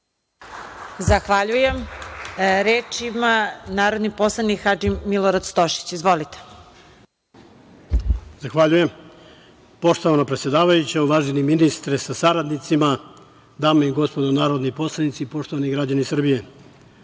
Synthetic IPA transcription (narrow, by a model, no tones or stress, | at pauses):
zaxʋaʎujem | ɾeːt͡ʃimanaːɾo̞d̪nipo̞slˠanikxad͡ʒimːiloɾad̪st̪o̞ʃi̥t͡ɕizʋo̞lit̪e̥ | z̥axʋaʎuje̞m | po̞ʃt̪oʋanapɾet̪sje̞d̪aːʋajut͡ɕauʋaːʒiniminist̪ɾesasaɾad̪nit̪sima | d̪aːmaiɡo̞spod̪onaːɾod̪nipo̞slˠanit̪siːpo̞ʃt̪oʋaniɡɾad͡ʑanisr̩bije